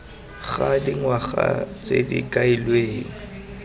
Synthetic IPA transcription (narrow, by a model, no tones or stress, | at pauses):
ɣadiŋwaɣat͡sedḭkʼailweːŋ̩